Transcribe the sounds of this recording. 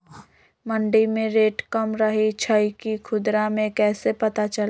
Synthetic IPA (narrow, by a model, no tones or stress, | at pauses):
mɐ̃ɳɖimẽɾeːʈkɐmɾɐɦit͡ʃʰəikikʰʊd̪ɾamẽkɛːsepɐt̪at͡ʃɐl